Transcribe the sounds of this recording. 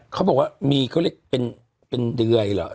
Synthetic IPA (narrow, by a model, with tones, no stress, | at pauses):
kʰa˥˩bɔː˨˩k̚waː˥˩miː˧kʰːle˧˥˩k̚pe˧n | pe˧ndɯ˧ɐjlɔ̰˨˦˥ʔ